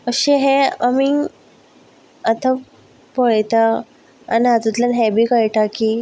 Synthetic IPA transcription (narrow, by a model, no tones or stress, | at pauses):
əɕeɦɛami | at̪a | poɭt̪a | a̰niad͡z̪ut̪lanɦɛbʱikəɭʈakiː